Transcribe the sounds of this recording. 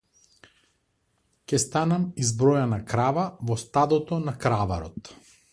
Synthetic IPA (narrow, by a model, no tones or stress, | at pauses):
cʲɛst̪anamizbɾɔjanakɾavavɔst̪ad̪ɔt̪ɔnakɾava̰ɾɔt̪